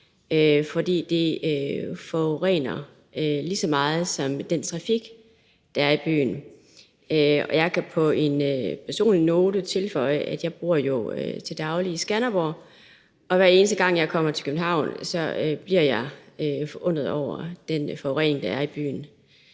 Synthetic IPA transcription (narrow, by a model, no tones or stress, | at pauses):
øfɒ̽d̥ḭːd̥e̝øfɒʁɛ̰ːnɐ | ølisɒ̽mɑ̈ːð̞̩ˠsɒ̽md̥ent͡sʰʁɑ̈fiɡ̥ | d̥ɑ̈æɐib̥y̰ːn̩ | øɒ̽jɑ̈ɪkʰæpʰɒ̽e̝npʰæɐso̝̰ːnlino̝ːdət͡sʰe̝lfɒ̽ɪ̰əʔæd̥jɑ̈ɪb̥ʁuɐ̰jo̝øt͡sʰe̝ld̥ɑ̈ʊliːsɡ̥ænɐb̥o | ɒ̽ʋæɐe̝ːnəsd̥əɡ̥ɑ̈ŋ̰jɑ̈ɪkʰɒ̽m̰ɐt͡sʰe̝̥kʰøb̥n̩hɑ̈ʊ̰nsɒ̽øb̥liɐ̰jɑ̈ɪøfɒʔɔ̽n̰ʁð̩ˠɒʊ̰ɐd̥enfɒʊʁɛ̰ːne̝ŋd̥ɑ̈æɐib̥y̰ːn̩